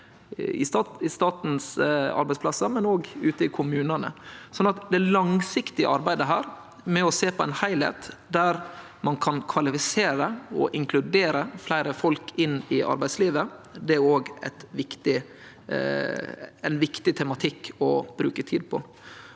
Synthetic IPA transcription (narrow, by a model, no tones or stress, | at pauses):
ɪ̰st̪ɑːt̪ɪst̪ɑːt̪n̩sɑ̰ɾbæɪtsplɑsːəmɛnoːɡʉːt̪əɪkʰʊmʉːnɑnə̰sɔnːɑt̪d̪ɛlɑŋsɪkt̪ɪə̰ʔɑɾbæɪd̪əɦæːɾ | mɛɔseːpʰɔɛæɪnhæɪlhḛːt̪d̪æɾ | mɑnkʰɑnkʰʋɑlɪfɪseːɾəɔʔɪŋkʰlʉd̪eːɾəflæɪɾəfɔlkʰɪnːɪʔɑ̰ɾbæɪd̪sliːʋəd̪ɛæɾoːɡæ̰ɪt̪ʋɪkt̪ɪ | ɛnʋɪkt̪ɪt̪ʰɛmɑt̪ʰɪkʰːɔb̥ɾʉ̰ːkət̪ʰiːd̪̚pʰɔ̰